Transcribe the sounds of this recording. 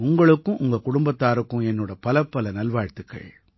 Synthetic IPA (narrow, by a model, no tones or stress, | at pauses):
ʊŋɡɐɭɯkːʊ̃ʔʊŋɡɐkʊɽʊmbɐt̪ːaːɾɯkːɯ̃ɛnːoːɽɐpɐlɐpːɐlɐnɐlʋaːɻt̪ːɯkːɐ̰ɭ